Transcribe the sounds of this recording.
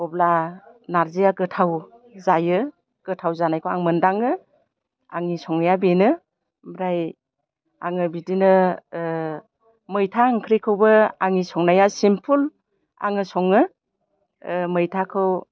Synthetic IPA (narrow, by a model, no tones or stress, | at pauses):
ɔblanaɾzijaɡɯtʰaw | zajɯ | ɡ̥ɯtʰawzanajkʰowaŋmɯndaŋɯ | a̰ŋisɔŋnajabenɯ | bɾaj | a̰ŋɯbidinɯ | mɯjtʰaŋkʰɾikʰɯwbɯaŋisɔŋnajasimpʰul | a̰ŋɯsɔŋɯ | mɯjtʰakʰɯw